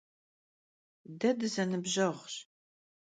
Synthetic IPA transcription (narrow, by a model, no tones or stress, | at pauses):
dɐdɨzɐnɨbʑɐʁɕ